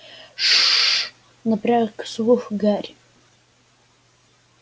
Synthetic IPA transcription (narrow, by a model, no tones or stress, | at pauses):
ʂ | naprakʰswʊxʷɡarʲ